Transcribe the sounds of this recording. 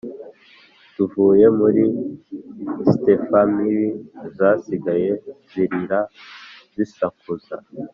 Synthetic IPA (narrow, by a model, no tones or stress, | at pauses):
tuvuːje̞muɾi | stefamiɾizasiɡaje̞ziɾiɾa | zisakuza̰